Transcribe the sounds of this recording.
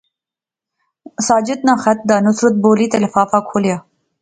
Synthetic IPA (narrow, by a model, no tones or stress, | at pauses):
sɑːd͡ʒɪd̪̚naxat̪̚d̪anʊsɾʊt̪̚boːlit̪alfɑːfakʰolja